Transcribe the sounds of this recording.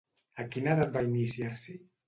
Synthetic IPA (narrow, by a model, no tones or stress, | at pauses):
akinaðabainisjaɾsi